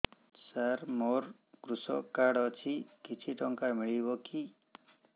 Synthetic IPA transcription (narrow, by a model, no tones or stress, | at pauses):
saɾmoɾ | kɾusɔ̰kaɽɔt͡ʃʰikit͡ʃʰiʈɔŋkamiɭibɔki